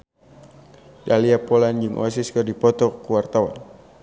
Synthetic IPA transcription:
daliapɔland͡ʒɨŋʔas̬iskərdipɔt̪ɔkuwart̪awa̰n

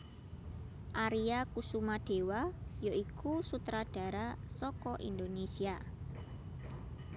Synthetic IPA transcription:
ʔaɾiakusumaɖ̥e̤wajoikusut̪ɾaɖ̥a̤ɾasɔkɔʔḭnd̪onesia

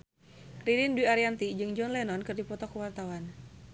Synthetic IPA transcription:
kɾidinduiaɾiant̪id͡ʒɨŋd͡ʒɔnlɛnɔnkɨrdipɔt̪ɔkuwart̪awan

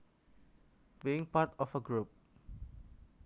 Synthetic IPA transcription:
biɪ̃ŋpatɔfəɡɹup̚

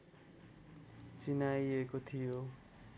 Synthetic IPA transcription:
t͡sinajekot̪ʰijo

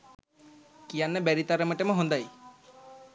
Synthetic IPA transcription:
kijanːɛbeɾit̪aɾemɔʈemɔɦɔnd̪aj

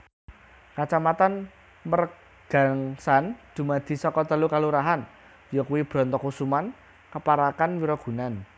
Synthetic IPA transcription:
kat͡ʃamat̪an | mər | ɡ̥a̤ŋsand̪̥ṳmad̪̥i̤sɔkɔt̪əlukaluɾaɦan | jɔkuwib̥ɾɔ̤nt̪ɔkusuman | kəpaɾakanwiɾɔɡ̥ṳnan

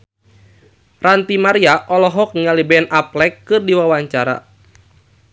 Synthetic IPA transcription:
rant̪imaɾiaʔɔlɔɦɔk̚niŋalibɛɛnʔaplɛkːɨrdiwawaɲt͡ʃaɾa̰

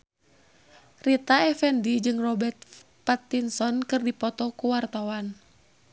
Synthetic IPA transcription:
rit̪aɛfɛndid͡ʒɨŋrɔbɛrt̪̚ | pat̪ːinsɔnkɨrdipɔt̪ɔkuwart̪awan

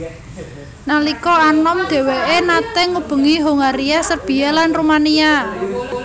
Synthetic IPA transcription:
nalikɔanɔmd̪̥e̤weʔenat̪ɛŋub̥ə̤ŋiɦoŋaɾiasərb̥i̤alanrumania

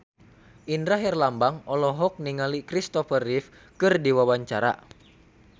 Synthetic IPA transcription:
ʔindɾaɦɛrlambaŋɔlɔɦɔk̚niŋalikɾist̪ɔfərif | kɨrdiwawaɲt͡ʃaɾa̰

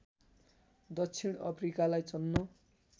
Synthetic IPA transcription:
d̪ʌksʰiñʌ̰pʰrikalajt͡sʌnːo

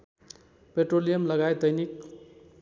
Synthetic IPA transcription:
peʈrolijʌmlʌɡajd̪ʌjnik

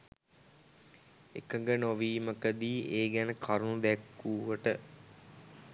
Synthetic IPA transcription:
ḛkəŋɡənoʋiːməkəd̪iːeːɡænəkʰaɾnud̪ækːuːʋəʈə

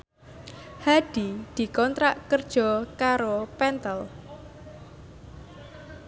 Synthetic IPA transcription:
haɖ̪̥id̪̥i̤kɔnt̪ɾaʔkərd̥ʒ̥ɔ̤kaɾopɛnt̪əl

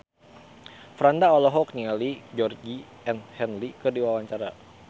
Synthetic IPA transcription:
fɾandaɔlɔɦɔk̚nialid͡ʒɔrɡi | ɛnhɛnlikədiwawaɲt͡ʃaɾa

